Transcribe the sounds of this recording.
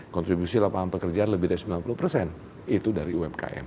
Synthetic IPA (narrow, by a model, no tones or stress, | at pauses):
kɔnt̪ɾibusilapaanpəkərd͡ʒaanləbɪhdaɾisəmbilanpuluhpərsɛn | it̪udaɾiuɛmka̰ʔɛ̰m